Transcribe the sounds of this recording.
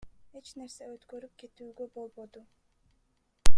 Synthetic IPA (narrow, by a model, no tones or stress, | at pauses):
het͡ʃne̞ɾseøt̪køɾyp̚ke̞t̪yːɡøbo̞lˠbod̪u